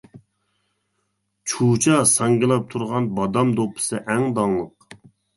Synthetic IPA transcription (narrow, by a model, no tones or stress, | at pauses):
t͡ʃʰut͡ʃʰɑsɑŋɡilˠɑp̚t̪ʰuɾʁɑnbɑd̪ɑmd̪opʰɨ̥sɨʔɛŋd̪ɑŋlˠəq